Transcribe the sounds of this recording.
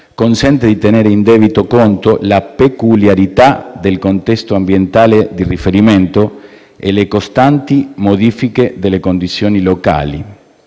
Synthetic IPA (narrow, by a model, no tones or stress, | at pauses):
konsɛnt̪ed̪it̪eneːɾeind̪eːβit̪okont̪olapekuljaɾit̪ad̪elkont̪ɛst̪oambjent̪aːled̪irifeɾiment̪o | ḛlekost̪ant̪imoðiːfiked̪elːekond̪it̪sjoːniloka̰ːlḭ